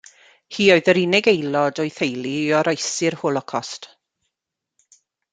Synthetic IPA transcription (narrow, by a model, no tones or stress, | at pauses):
hiːɔɨðəɾinɪɡejlˠɔdɔɨθejlˠiɔɾajsɪrhoːlˠɔkʰɔst